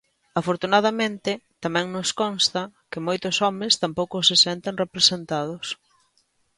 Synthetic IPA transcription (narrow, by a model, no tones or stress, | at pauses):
afoɾt̪unaðɐmẽnt̪ɪt̪amɛ̃ŋnʊskɔnst̪ɐkɪmojt̪ʊsɔmɪ̃st̪ampowkʊsɪsɛnt̪eŋrepɾesent̪að̞ʊs